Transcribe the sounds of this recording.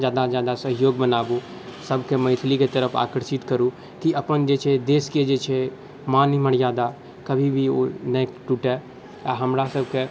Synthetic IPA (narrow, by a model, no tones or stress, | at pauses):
d͡ʒjaːd̪ad͡ʒjaːd̪asəɦɪjoːɡbənaːbu | sɐbʱkemɐ̃ɪt̪ʰliket̪əɾəpʰa̰ːkəɾʃɪt̪kəɾũ | kiɐpənd͡ʒeːt͡ʃʰed̪eːsked͡ʒeːt͡ʃʰe | mãːniməɽjaːd̪a | kɐbʱibʱionekʈuːʈɛ | jaɦɐmɾasɐbʱke